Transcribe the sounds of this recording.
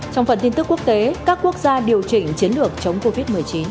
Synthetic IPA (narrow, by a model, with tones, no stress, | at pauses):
t͡ɕɔ˧wŋ͡mfə˨˩nt̪i˧nt̪ɨ˦˥kːu˦˥ək̚t̪e˨˦kaː˦˥kːu˦˥ək̚zaː˧ɗi˨˩əwt͡ɕï˨˩ŋ̟t͡ɕi˨˦nlɨ˨˩ək̚t͡ɕə˨˦wŋ͡mko˧vi˦˥t̚mɨ˨˩əjt͡ɕi˨˦n